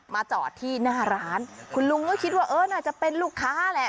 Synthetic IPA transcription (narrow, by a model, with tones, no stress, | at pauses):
maː˧t͡ɕɔ̰ː˨˩t̪ʰiː˥˩naː˥˩ɾaː˦˥nkʰu˧nlu˧ŋnaː˥˩kʰi˦˥t̪̚waː˥˩ʔɤː˧˩naː˥˩t͡ɕa˨˩ʔpe˧nluː˥˩kʰːaː˦˥lɛ˧˩